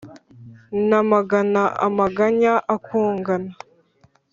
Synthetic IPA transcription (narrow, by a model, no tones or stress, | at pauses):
namaɡanaʔa̰maɡaɲaʔakuːŋɡana